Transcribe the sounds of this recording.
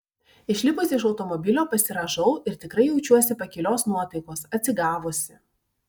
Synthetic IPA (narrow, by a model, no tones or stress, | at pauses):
ɪʃʲlʲɪpʊsʲɪʃɒʊt̪ɔmɔbʲɪlʲoːpɐsʲɪɾɐʒɐʊɪɾt̪ʲɪkɾɐɪjɛʊt͡ʃʲuɔsʲɪpɐkʲɪlʲoːsnuɔt̪ɐɪkoːsɐt̪ʲsʲɪɡɑːʋʊsʲɪ